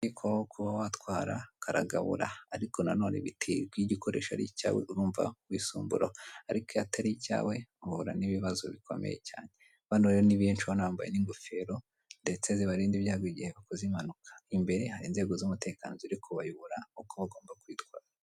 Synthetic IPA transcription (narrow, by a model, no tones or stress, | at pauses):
ikʰoβahokuβawatwaːɾa̰kʰaɾa̰ɡa̰βṵɾa̰ːɾiko̞nano̞ːnḛβitʰiɡwiɟikʰo̞ɾe̞̰ːʃa̰ɾica̰ːwḛuɾuːɱva̰wiːsuːmbuɾoaɾikojataɾica̰ːwe̞uhuɾa̰niβiβazo̰βikʰo̞̰mḛjḛca̰ːɲe | βanoɾejoniβiːnt͡ʃuhonaːmba̰jḛniŋɡufe̞ɾo̞ | nde̞t͡seziβaɾiːndivjaːɡwoiɟiheβakozimanukʰḁimbe̞ɾe̞haɾiːnze̞ːɡo̞zumute̞ːkanoziɾikuβajuβuɾaukoβaɡo̞ːmbakwiːtkwaːɾa